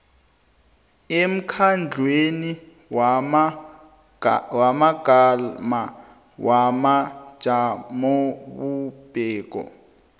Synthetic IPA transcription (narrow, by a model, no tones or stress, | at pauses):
em̩kʰand͡ɮʱweni | wamaɡalma | wamḁʒ̥ʱamoβub̥ʱɛːk̬ʼɔ̰